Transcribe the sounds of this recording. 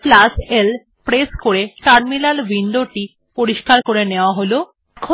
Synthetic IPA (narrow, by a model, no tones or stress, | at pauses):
plasel | pɾeskoɾeʈaɾmilalbʱind̪oʈi | poɾiʃkaɾkoɾeneoaɦolo | kʰo